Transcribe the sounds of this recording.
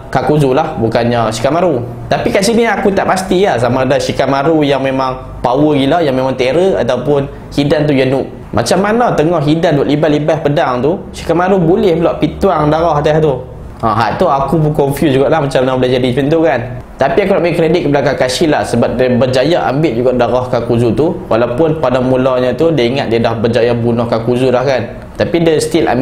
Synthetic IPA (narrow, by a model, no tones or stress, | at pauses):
kakuzulahbukanɲaʃi̥kamaɾu | t̪apikasiniakut̪aʔpast̪iahs̬amãdasikamaɾujaŋmemãŋ | pawəɡilajaŋmemaŋt̪eɾəa̰t̪awpʊn | hidant̪̬ujanuʔ | mʔa̰t͡ʃamːanat̪əŋɔhɦidanduaʔlibalibapədaŋt̪usi̥kamaɾubolɛhbəlaʔpit̪uwaŋdaɾɔɦat̪aht̪u | ãɦa̰ʔ̚t̪uakupukɔɱfjusd͡ʒuɡaʔlahmat͡ʃamanabəlahd͡ʒadipint̪ukan | t̪apiakunaʔbəikɾedit̪̚kəbalakaŋkasilahsəbap̚diəbərd͡ʒajaʔa̰mbɪʔ̪̚d͡ʒuɡaʔdaɾɔhkakuzut̪uwalawpʊnpadaŋmulɔɲãt̪udiaiŋat̪̚diadahbərd͡ʒajabunɔhkakuzulahkan | t̪apidəst̪ila̰m